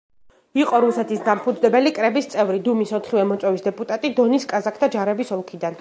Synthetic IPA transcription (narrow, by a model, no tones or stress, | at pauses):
iqʼɔɾusɛt̪ʰisd̪ampʰud̪zd̪ɛbɛlikʼɾɛbist̪sʼɛvɾid̪umisɔt̪ʰχivɛmɔt̪sʼwɛvisd̪ɛpʼut̪ʼat̪ʼid̪ɔniskʼazakʰd̪ʰad͡ʒaɾɛbisɔlˠkʰid̪an